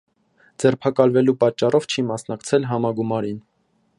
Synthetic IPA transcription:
d͡zɛrpʰɑkɑlvɛlupɑt͡ʃːɑrɔvt͡ʃʰimɑsnɑkt͡sʰɛlɦɑmɑɡumɑɾin

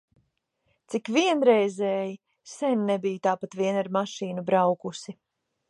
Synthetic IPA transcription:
t̪sikviɛnɾɛjzɛːji | sɛnʲnɛbijut̪aːpat̪viɛnaɾmaʃiːnubɾawkusi

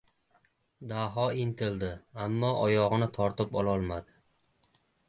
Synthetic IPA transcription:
d̪aɦɒɪnt̪ʰɪld̪ɪamːɒʔɒjɒʁɨnɪt̪ʰɒɾt̪ɪpɒlˠɒlˠmad̪ɪ

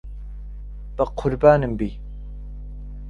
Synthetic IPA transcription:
b̥əqʰʊɾbaːnɨmbiː

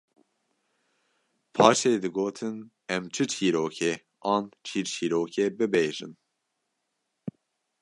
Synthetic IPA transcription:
pʰɑːʃeːd̪ɨɡoːt̪ʰɨn | ɛmt͡ʃʰɨt͡ʃʰiːɾoːkʰɛ | ʔɑːnt͡ʃʰiːɾt͡ʃʰiːɾoːkʰɛbɨbeːʒɨ̰n

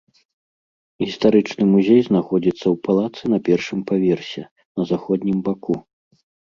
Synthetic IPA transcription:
ɣʲist̪aɾɨt͡ʂnɨmuzʲejznaxɔd͡zʲit̪sːɐwpalˠat̪sɨnɐpʲɛrʂɨmpavʲɛrsʲɛ | nɐzaxɔd̪ʲnʲimbaku

